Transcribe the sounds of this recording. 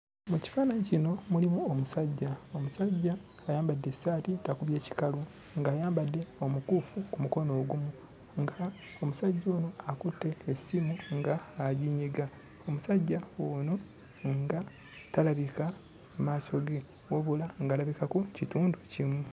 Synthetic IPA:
muci̥faːnaɲicino̞mulimuomusaɟːaomusaɟːaː | jaːmbadːesaːtitakuβje̞ːci̥kalu | ŋɡaːjaːmbadːe̞o̞mukuːfukumuko̞no̞ːɡumu | ŋɡa | omusaɟːo̞ːno̞akutːe̞ːsimuŋɡaːɟiɲiɡa | omusaɟːaono | ŋɡa | talaβika | maso̞ɡe | woβulaŋɡaːlaβikakucituːnducimwu

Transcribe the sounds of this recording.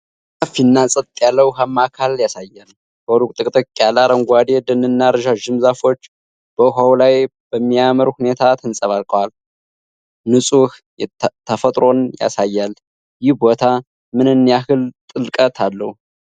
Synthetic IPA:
kʼəfinːasʼət̪t̪ʼjalːəwhamːakʰaljasajːal | boɾukʼt̪ʼɨkʼt̪ʼəkʼjalaɾəŋɡʷad̪ed̪ɨnɨnːaɾʒaʒɨmzafo̞t͡ʃː | b̥əɦawlaj | b̥əmːijaməɾhune̞t̪ʰat̪ʰənsʼəβalkʼəwal | nɨsʼuh | t̪ʰːəfət̪ʼɾo̞nja̰sajːal | jɪhbo̞t̪ʰa | mɨnɨnːjahɨlt̪ʼɨlkʼət̪ʰalːəhu

